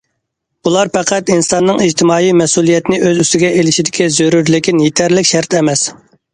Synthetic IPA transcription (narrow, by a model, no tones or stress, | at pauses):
ulˠɑɾpɛqʰæt̪insɑnːɨŋid͡ʒt̪ʰɪmɑːjimɛsulˠijɛt̪ɪnɪʔøzyst̪ɪɡʲɛʔelɪʃid̪ɪkʲizøɾuɾlɪkʲinjet̪ʰæɾlɪkʲʃæɾt̪ʰɛmɛs